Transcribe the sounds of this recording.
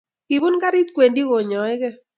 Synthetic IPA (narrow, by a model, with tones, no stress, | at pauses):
ki˨bu˦nka˦ɾɪ˦t̪kwe˨ndi˦ɣo˨ɲɔ˨ɛ˦ɡɛ˦